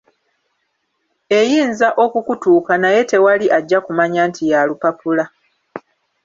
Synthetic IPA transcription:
e̞jiːnzaʔo̞kukutuːkanaje̞te̞waliʔaɟːakumaɲaːntijalupapula

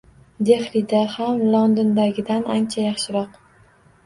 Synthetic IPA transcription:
d̪e̞χlid̪ahamlˠond̪ɪnd̪aɡʲɪd̪anʔant͡ʃʰajɑχʃɪɾɒq

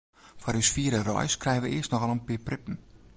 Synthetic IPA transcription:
fɔɾysfiəɾərɔ̰jskrɛjəʋəʔɪəstnɔxɑlənpɪəprɪpn̩

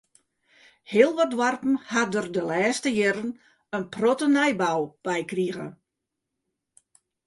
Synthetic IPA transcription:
hɪəlˠʋɔt̚dʋarpn̩hadərdəlɛːstəjɛɾən | ənprotənɛjbawb̥ɛjkriəɣə̰

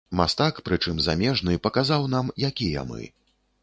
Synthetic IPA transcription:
ma̰st̪akpɾɨt͡ʂɨmzamʲɛʐnɨpɐkazawn̪amjakʲijɐ̰mɨ̰

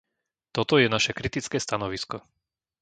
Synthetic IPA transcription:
t̪ɔt̪ɔjɛnaʃɛkɾit̪it͡skɛːst̪anɔʋiskɔ

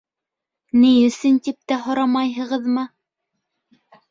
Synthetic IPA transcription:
nijɵ̆sɘnt̪ip̚t̪æɦŏɾɑmɑjɦɤ̆ʁɤðmɤ

